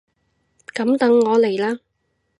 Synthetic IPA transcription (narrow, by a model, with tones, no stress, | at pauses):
kɐ˨˥mt̪ɐ˨˥ŋːɔː˨˧le˨˩jlaː˥